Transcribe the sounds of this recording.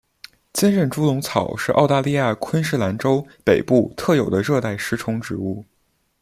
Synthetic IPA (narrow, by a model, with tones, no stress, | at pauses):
t͡ɕjɛ˥nɻə˥˩nʈ͡ʂu˥lʊ˧˥ŋt͡sʰɑ˨˩ʊʂɻ̩˥˧ʔɑ̰˥˧ʊt̪a˥˧li˥˧ja˥˩kʰwə˥nʂ̬ɻ̩˥˩la˧˥nʈ͡ʂo˥ʊpe˨˩ɪpu˥˧t̪ʰɤ˥˩jo˨˩ʊd̪ə˦ɻɤ˥˧t̪a˥˩ɪʂɻ̩˥ʈ͡ʂʰʊ˧˥ŋʈ͡ʂɻ̩˧˥u˥˩